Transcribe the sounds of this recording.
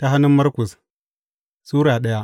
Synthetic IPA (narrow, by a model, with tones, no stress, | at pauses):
ta˦ɦa˦nːu˦mːɐ˦ɾku˨s | suː˦ɾa˨ɗɐ˦ja˦